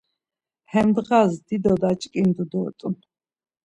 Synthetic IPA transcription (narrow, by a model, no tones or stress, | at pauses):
hɛmd̪ʁazd̪id̪ɔd̪at͡ʃʼkʼind̪ud̪ɔːt̪ʼun